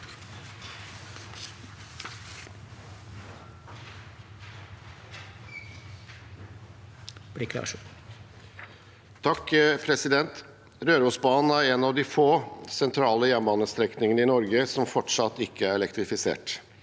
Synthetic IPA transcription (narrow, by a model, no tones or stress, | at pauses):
b̥likʰlɑ̰ː | t̪ʰɑkpʰɾɛsɪd̪ɛnt̪ | ɾøːɾəuːsbɑːnn̩æɾɛnɑʋd̪iːfoːsɛnt̪ʰɾɑːləjɛmbɑnəst̪ɾɛknɪŋənəɪnɔɾɡəsɔmfɔʈʂɑt̪ːɪkʰːəæɾɛlɛkt̪ɾɪfɪsḛːʈ